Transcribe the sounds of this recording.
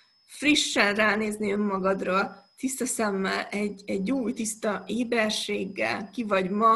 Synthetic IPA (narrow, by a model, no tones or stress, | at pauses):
friʃːɛnraːneːzniømːɒɡɒd̪roːlt̪ist̪ɒsɛmːɛlɛɟːɛɟːuːjt̪ist̪ɒeːbɛrʃeːɡːɛ̰lkivɒɟmɒ